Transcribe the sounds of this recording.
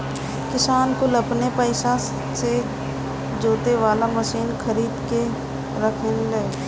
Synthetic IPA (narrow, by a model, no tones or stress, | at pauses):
kɪsaːnkʊləpnepəɪsa | se | d͡ʒoːt̪eʋaːlaməʃiːnkʰəɾiːd̪ke | ɾəkʰənleː